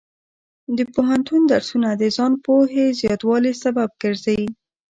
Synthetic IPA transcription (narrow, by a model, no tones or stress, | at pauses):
d̪əpoɦant̪und̪aɾsunad̪əzɑnpoɦezjɑt̪wɑlesabab̚ɡəɾzawi